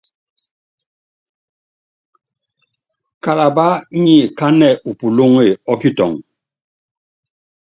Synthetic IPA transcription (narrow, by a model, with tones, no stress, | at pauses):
ka˨la˨ba˦ɲi˦˨ka˦nɛ˦˨ʔu˨pu˨lo˦ŋe˦˨ɔ˦ki˦tɔ̰˨ŋ